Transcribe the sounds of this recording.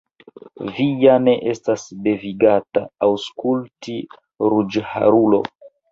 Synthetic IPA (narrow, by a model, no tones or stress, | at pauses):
vijane̞ʔe̞stasde̞viɡata̰ːwskulti | ɾud͡ʒha̰ɾulo̞̰